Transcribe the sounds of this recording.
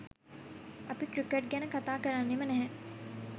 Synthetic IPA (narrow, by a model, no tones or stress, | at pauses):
ɐpikɾikeʈɡɛnəkɐt̪aːkɐɾanːemənɛɦɛ̃